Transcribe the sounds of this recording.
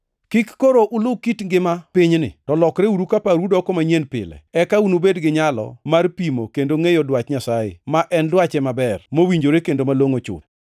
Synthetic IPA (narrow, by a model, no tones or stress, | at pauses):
kikːoɾoʔʊlʊkitŋɡɪmapɪɲnɪ̰tɔlɔkɾeuɾukapaɾudɔkɔmaɲenpɪ̰lɛ̰ɛkaunubedɡɪɲalɔ̰marpimokendoŋejɔdwat͡ʃɲasajḛmaʔɛndwat͡ʃɛmabɛrmowiɲd͡ʒoɾekendomaloŋot͡ʃʊ̰